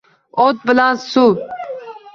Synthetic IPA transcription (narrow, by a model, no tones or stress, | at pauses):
oːt̪̚bəlãːssuː